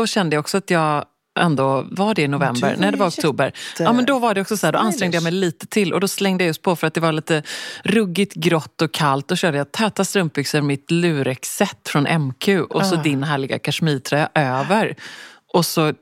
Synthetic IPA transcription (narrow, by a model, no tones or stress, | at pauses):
ɔɕɛnd̪əjaɔksɔat̪jɑːɡ | ʔɛ̰nd̪ovaɖɛɪnʊvɛmbə̰ɾnæɖɛvaɾɔk̚t̪ʰuːbəɾɑːmɛnd̪ɔvaɖɛɔksɔsaæːɖɔʔanst̪ɾɛŋd̪əjamɛjliːt̪ət̪ʰɪlʔɔ̰d̪ɔslɛŋd̪əjajʊspʰɔfœɾat̪̚d̪ɛvaɭiːt̪əɾɵɡːɪt̪ɡɾɔt̪ːɔkʰːalt̪̚d̪ɔɕøːɖəjat̪ʰɛːt̪ast̪ɾɵmp̚bʏksəɾmɪt̪lʉ̟ːɾɛksɛt̪ːfɾɔnʔɛmkʰʉ̟ːʔɔsɔd̪ɪnɦæːɭɪɡa̰kʰaʂmiːt̪ʰɾɛːaʔøːvəɾʔɔsɔ